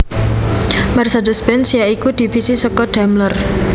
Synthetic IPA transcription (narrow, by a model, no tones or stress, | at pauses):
mɛrsad̪ɔspɛnsjaikud̪̥i̤fisisɔkɔɖ̪̥a̤mlər